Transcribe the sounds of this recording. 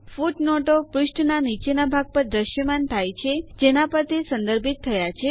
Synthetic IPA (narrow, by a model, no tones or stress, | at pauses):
fuʈnɔʈopɾuʃʈnanit͡ʃenabʱaɡ̚pəɾd̪ɾəʃjəmant̪ʰajt͡ʃʰed͡ʒenapəɾt̪ʰisə̃nd̪əɾbʱit̪ʰːəjat͡ʃʰe